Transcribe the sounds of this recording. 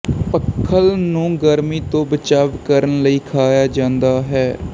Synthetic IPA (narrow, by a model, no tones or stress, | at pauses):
pəkʰːəlnũːɡəɾmiːt̪õːbət͡ʃaːʋkəɾənləiːkʰaːjaːd͡ʒãːnd̪aːɦɛː